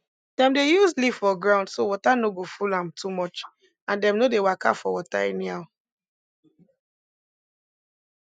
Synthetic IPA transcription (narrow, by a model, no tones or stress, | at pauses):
d̥ɛ̃mdejusliv̥fɔɡɹãʊ̃ndsowɔtanoɡofulãmtumɔt͡ʃ | ãndɛ̃mnodewaka̰fɔwɔta̰ɛniaʊ